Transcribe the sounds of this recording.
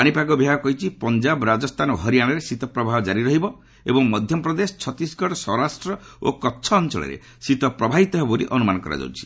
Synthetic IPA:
paɽ̃ipaɡɔbʱiɦakɔɦit͡ʃʰipɔnd͡ʒabɾad͡ʒɔst̪ʰanɔɦɔɾijaɽ̃ɔɾesit̪ɔpɾɔbʱaɦɔd͡ʒaɾiɾɔɦibɔ | ebɔŋmɔd̪ʱjɔpɾɔd̪esɔ̥t͡ʃʰɔt̪isɡʱɔɽɔsɔɾasʈɾɔ | o̰kɔtːt͡ʃʰɔːnt͡ʃɔ̰ɭḛɾḛ | sit̪ɔpɾɔbʱaɦit̪ɔɦebɔɾḭʔɔnumanɔkɔɾa̰d͡ʒɔ̰wt͡ʃʰi̥

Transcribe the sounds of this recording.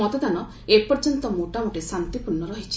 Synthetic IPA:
ɔt̪ed̪anɔ | epɔɾd͡ʒɔnt̪ɔmoʈamoʈesant̪ipuɾɳːɔɾɔɦit͡ʃʰi̥

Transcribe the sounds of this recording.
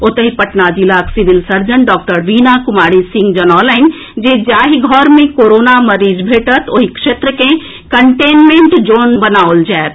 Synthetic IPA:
ot̪əɦipɐʈnad͡ʒilaːksiʋɪlsɐɾd͡ʒənɖɔːk̚ʈəɾʋiːnakʊmaːɽisɪ̃ŋɡd͡ʒɐnɔːləɪn | d͡ʒeːd͡ʒaːɦiɡʱɔːɾmẽkoːɾoːnamɐɾiːd͡ʒbʱeːʈət̪oɦikʃeːt̪ɾəkẽ | kəɳʈeːnmẽːɳʈd͡ʒoːnbɐnaːold͡ʒɛːt̪

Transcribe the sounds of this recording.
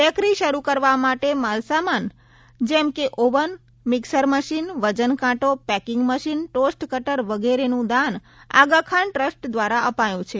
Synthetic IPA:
əkɾiʃəɾukəɾʋamaʈemalsaman | d͡ʒɛmkeʔoʋən | mɪksəɾməʃinʋəd͡ʒənkãʈopɛkɪ̃ŋɡməʃinʈosʈkəʈəɾʋəɡeɾenũd̪an | a̰ɡəkʰaɳʈɾəsʈd̪ʋaɾaʔəpajũt͡ʃʰe

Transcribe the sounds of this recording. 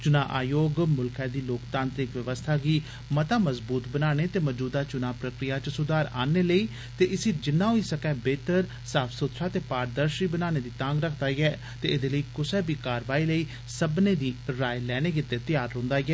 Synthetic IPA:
t͡ʃʊnãːʔaːjoːɡmʊlkʰɛ̃ːd̪iːloːkt̪ãːnt̪ɾɪkʋəʋəst̪ʰaːɡiː | mət̪aːməzbuːt̪bənaːɽ̃eːt̪eːməd͡ʒuːd̪aːt͡ʃʊnaːpɾəkɾɪjaːt͡ʃəsʊd̪aːɾaːneːləiː | t̪eːʔɪsiːd͡ʒɪnːaːɦoiːsəkɛːbeːt̪əɾ | saːpʰsʊt̪ʃaːt̪eːpaːɾd̪əɾʃɾiːbənaːñeːd̪iːt̪ãːŋɡɾəkʰd̪aːɡɛː | t̪eːɪd̪eːləiːkʊsɛːbiːkaːɾʋaːiːləiː | səbneːd̪iːɾaːjlɛːɽ̃eːk̬ɪt̪ːeːt̪ɪjaːɾːõːnd̪aːɡɛː

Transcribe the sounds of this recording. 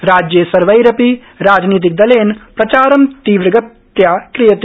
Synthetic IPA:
ɾaːd͡ʒjeːsɐɾʋɐjɾɐpi | ɾaːd͡ʒniːt̪̬ik̚d̪ɐleːnpɾɐt͡ʃaːɾɐmt̪iːʋɾɐɡɐt̪ | jakɾijɐt̪

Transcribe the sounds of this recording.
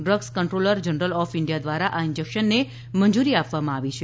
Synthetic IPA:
ɖɾəɡskəɳʈɾoləɾd͡ʒənɾəlɔfɪɳɖijad̪ʋaɾaʔaɪnd͡ʒəkʃənːe | mənd͡ʒuɾiapʋamãaʋit͡ʃʰe

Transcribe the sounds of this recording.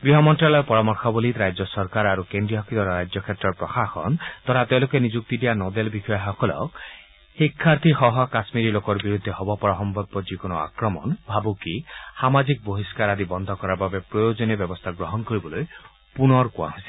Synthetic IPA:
ɡɾiɦɔmɔnʈɾalɔɾpɔɾamɔɾkʰɔbɔlit̪ɾajd͡ʒɔsɔɾkaɾaɾukend̪ɾiɔkʰit̪ɔɾɔɾajd͡ʒɔkʰet̪ɾɔɾpɾɔxaxɔ̰nt̪ɔɾat̪ewlokenid͡ʒuk̚t̪idijanɔd̪elbikʰɔjaɦɔkɔlɔ̰k | hikʰːaɾt̪ʰixɔɦɔkasmiɾilokɔɾbiɾud̪ʱːeɦɔbɔpɔɾɔɦɔmbɔbːɔd͡ʒikonɔa̰kɾɔmɔ̰nbʱabukihamad͡ʒik̚boɦiskaɾad̪ibɔnd̪ʱɔkɔɾababepɾɔjod͡ʒɔnebjɔbɔst̪ʰaɡɾɔɦɔnkɔɾibɔloj | punɔɾkuã̰ɦosi̥

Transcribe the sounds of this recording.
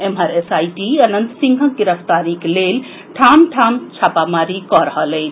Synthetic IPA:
emaɾesajʈiənənt̪siŋɡʱəɡiɾəpʰt̪aɾiklel | ʈʰamʈʰamt͡ʃʰapamaɾikɔɾəɦələn

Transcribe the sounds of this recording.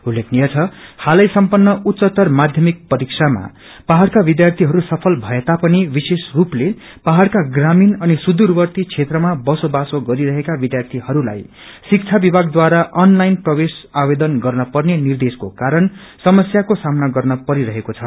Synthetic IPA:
ulːekʰnijʌt͡sʰʌhalʌjsʌmpʌnːʌut̪ːsʌt̪ʌrmad̪ʱjʌmik̚pʌɾiksʰama̰ | paɦarkabid̪jart̪ʰiɦʌɾusʌpʰʌlbʱʌet̪apʌnibisesruple | paɦarkaɡraminʌnisud̪urbʌrt̪it͡sʰet̪rʌmabʌsobasoɡʌɾiɾʌɦekabid̪jart̪ʰiɦʌɾula̰j | sik̚t͡sʰabibʱaɡd̪waɾaʔʌnlajnprʌbesabed̪ʌnɡʌrnʌpʌrnenird̪eskokaɾʌnsʌmʌsjakosamnaɡʌrnʌpʌɾiɾʌɦekot͡sʰʌ

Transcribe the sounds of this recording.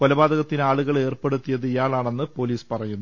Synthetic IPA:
kolɐbaːd̪ɐɣɐt̪ːinaːɭuɣɐɭe̞ːrpe̞ɽut̪ːijɐðɨijaːɭaːɳe̞nːɨpo̞ːliːspɐrɐjunːu

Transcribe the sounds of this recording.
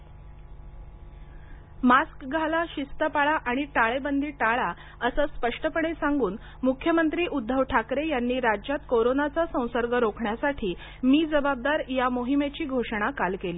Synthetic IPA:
maskɡʱalaɕist̪əpaɭaʔaɽ̃iʈaɭebənd̪ʱiːʈaɭa | əsəspəʂʈəpəɳesaŋɡuːn | mukʰjəmənt̪ɾiːʔud̪ʱːəʋʈʰakɾejanːiːɾad͡ʑjat̪koɾonat͡sasə̃w̃səɾɡəɾokʰɳjasaʈʰiː | miːd͡zəbab̚d̪aɾjamoɦimet͡ɕiːɡʱoʂɽ̃akalkeliː

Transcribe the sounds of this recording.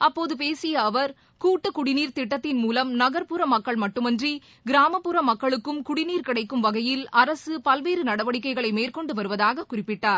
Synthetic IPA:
ɐpːoːðɯpeːsɪjɐːʋɐɾ | kuːʈːɯkʊɽɪniːɾt̪ɪʈːɐt̪ːɪnmuːlɐmnɐɣɐɾpuɾɐmɐkːɐɭmɐʈːɯmɛndri | ɡɪɾaːmɐpːɯɾɐmɐkːɐɭɯkːɯmkʊɽɪniːɾkɪɽɐɪkːɯmʋɐɣɐjɪlɐɾɐsɯpɐlʋeːɾɯnɐɽɐʋɐɽɪkːɐɪɣɐɭɐɪmeːrkɔɳɖɯʋɐɾɯʋɐðaːɣɐkːʊrɪpːɪʈːaːɾ

